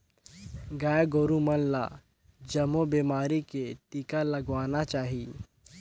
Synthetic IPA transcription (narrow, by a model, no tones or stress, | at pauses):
ɡaːjɡoːɾumənla̰ | d͡ʒəmobeːmaːɾiket̪ikaləɡʋaːnat͡ʃaːɦiː